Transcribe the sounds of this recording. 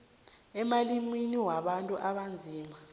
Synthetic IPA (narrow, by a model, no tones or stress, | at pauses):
ɛmaliminiwaɓantʼuʔaɓand͡zʱiːma